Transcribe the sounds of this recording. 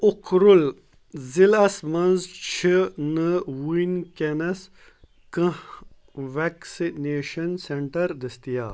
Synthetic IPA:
ukɾul | zilɐsmɐnzt͡ʃʰinɨwunkenɐs | kɨ̃h | ʋeksineːʃɐnseɳʈɐɾd̪ɐst̪ijaː

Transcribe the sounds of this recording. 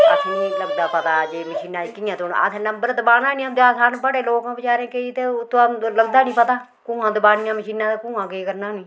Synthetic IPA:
kətʰːnĩːləɡd̪aːpət̪aːd͡ʒeːməʃiːnãːikɪjãːt̪on̰ːa̰t̪ẽnəmbəɾd̪əbaːnãːnĩːəmd̪eaːsaːnbəɽeːloːkãːbət͡ʃaːɾẽːkeiːt̪et̪oləɡd̪aːnĩːpət̪aː | kũːãːd̪əbaːnɪjãːməʃiːnãːt̪ekũːãːɡəiːkəɾnaːnĩː

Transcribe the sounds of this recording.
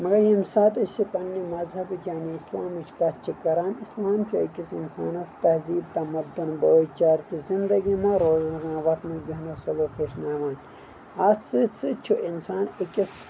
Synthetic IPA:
mɐɡɐjimsaːt̪ɐt͡ʃipɐnːimɐzhɐbɨt̪ʰʲjaːniːslaːmɐt͡ʃʰkɐt̪t͡ʃʰikɐɾaːmislaːmt͡ʃʰuɐkʲisinsa̰ːnɐst̪ɐhziːb̚t̪ɐmɐd̪ːunboːt͡ʃaːɾt̪izind̪ɐɡimɐɾoːznɐɡmaːʋɐt̪mɐbinɐsɐlokeʃnaːʋaːnʲ | at͡sɨt͡sʰɨt͡ʃʰuʔinsaːnekʲis

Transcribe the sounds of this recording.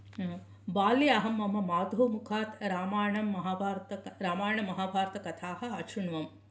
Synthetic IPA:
baːliɐɦɐmːɐmɐmaːd̪ʱɐmukʰaːt̪ɾaːmaːjɐɳɐmːɐɦaːbʱaːɾt̪ɐɾaːmaːjɐɳɐmːɐɦaːbʱaːɾt̪ɐkɐt̪ʰaːhɐ̆ɐʃuɳʋɐm

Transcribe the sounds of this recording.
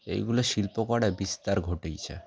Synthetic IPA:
ḛjɡuloʃilpokɔɽabist̪aɾɡʱoʈejt͡ɕʰḛ

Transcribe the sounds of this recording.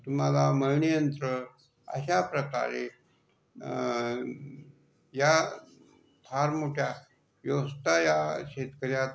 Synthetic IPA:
t̪um̤alaməjnijənt̪ɾə | ə̰ɕapɾəka̰ɾḛ | ja | t̪ʰaɾmoʈʰja | ʋjəʋəst̪ajaɕet̪kəɾjat̪

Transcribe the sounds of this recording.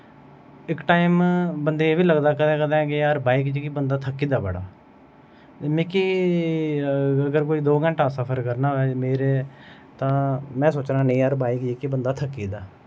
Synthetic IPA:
ɪkʈaːimbənd̪eːeːʋiːləɡd̪aːkəd̪ẽːkəd̪ɛ̃ːkeəɾbaːikd͡ʒikibənd̪aːt̪ʰəkːiːd̪aːbəɽa̰ː | mɪki | əɡəɾkoːiːd̪oːɡə̃ɳʈaːsəpʰəɾkəɾnaːɛːmeːɾeː | t̪ãːmɛ̃ːsoːt͡ʃnaːneĩːəɾbaːikd͡ʒiːkibənd̪aːt̪ʰəkːiːd̪aː

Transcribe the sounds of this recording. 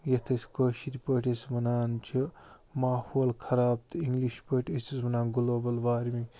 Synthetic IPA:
jɐt̪ʰɐsʲkoːʃiɾipəʈʲesmɐnaːnt͡ʃʰi | maːhoːlkʰɐɾaːb̚t̪ɨiŋɡliʃpəʈʰʲesismɐnaːnɡuloːbɐlʋaːɾmi

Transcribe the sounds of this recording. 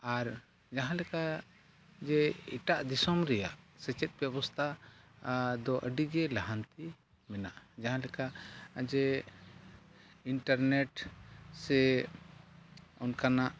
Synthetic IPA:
aɾ | d͡ʒaɦãlɛka | d͡ʒɛiʈaʔd̪isɔmɾɛja̰ʔsɛt͡ʃɛt̪̚ˀbjɛbɔst̪ʰa | d̪ɔʔəɖiɡɛlaɦant̪i | mɛna̰ʔd͡ʒaɦãlɛkad͡ʒɛ | iɳʈaɾnɛʈsɛ | ɔnkanaʔ

